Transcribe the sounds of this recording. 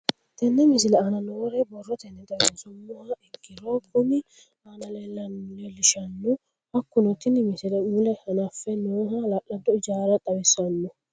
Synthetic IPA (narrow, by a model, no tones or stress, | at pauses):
t̪ɛnːɛmɪsɪlɛanɐnoːɾɛbɔrːɔt̪ɛnːɛt̪ɐwɛnsʊmːʊhaɪɡɪɾokʰʊnɪ | anɐlelːɐmlɛlɪʃɐnːʊ | ɐkːʊnɔt̪ːɪnɪmɪsɪlɛmʊlɛhɐnafɛnoːhɐlaʔːɐnt̪ːɔɪd͡ʒaːɾɐt̪ʼɐbɛsːɐnːɔ